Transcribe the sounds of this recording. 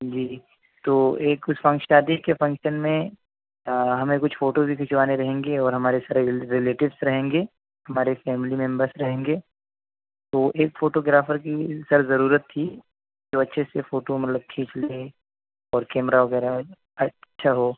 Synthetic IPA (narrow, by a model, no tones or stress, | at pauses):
d͡ʒiː | t̪oːeːkʊsfɐ̃ŋkʃaːd̪ikefɐ̃ŋkʃənmẽ | ɦɐmẽkʊt͡ʃʰfoːʈobʱikʰʊʃʋaːneɾɐɦẽːŋɡeɔːɾɦɐmaːɾesaɾeɾɪleːʈɪʋsɾɐɦẽːŋɡeː | ɦɐmaːɾefɛːmlimẽmbɐɾsɾɐɦẽːŋɡeː | t̪oːʔeːkfoːʈoːɡɾaːfəɾkisɐɾzɐɾuːɾət̪ʰːi | d͡ʒoːɐtːʃʰesefoːʈomɐt̪ləb̚t̪ʰĩːt͡ʃle | ɔːɾkɛːmɾaʋɐɡɛːɾa | ɐtːʃʰaɦoː